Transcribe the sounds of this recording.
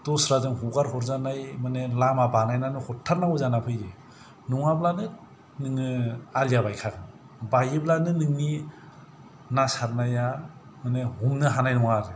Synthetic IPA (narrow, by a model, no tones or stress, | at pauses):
tɔsɾazɯŋhuɡaɾhɔɾzanajmanelamabanajnanɯhɔtʰːaɾnauzanapʰɯjɾe | nuŋablanɯ | nɯŋɯalijabajkʰaɡɯ | bajiblanɯnɯŋni | nasaɾnajamanehumnɯɦanajnɔŋaɾɯ